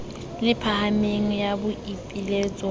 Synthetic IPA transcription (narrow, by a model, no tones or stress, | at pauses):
lɪpʰahameŋ̩jabʊʔipʼileːt͡sʼɔ